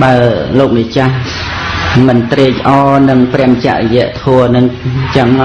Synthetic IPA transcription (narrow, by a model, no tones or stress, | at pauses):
ɓaəloːk̚mət͡ɕah | mɨnt̪reːkʔɑːnɨŋprɛ̆əmət͡ɕa̰ʔrəjɛ̆əʔt̪ʰoənɨŋt͡ɕɑŋŋ